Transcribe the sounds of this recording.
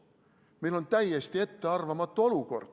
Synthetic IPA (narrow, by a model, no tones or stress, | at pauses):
meilːont̪æiest̪iet̪ːeɑrʋɑmɑt̪ːooluko̰rt̪